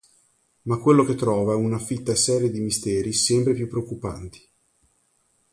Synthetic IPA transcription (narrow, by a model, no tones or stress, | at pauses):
makːwelːoket̪ːɾɔːvaɛunafit̪ːasɛːɾjed̪imist̪ɛːɾisɛmpɾepjupːɾeokːupa̰nt̪i̥